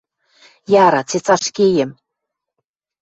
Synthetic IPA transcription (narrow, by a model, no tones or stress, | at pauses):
jɑɾɑt͡set͡sɑʃkejɘ̆m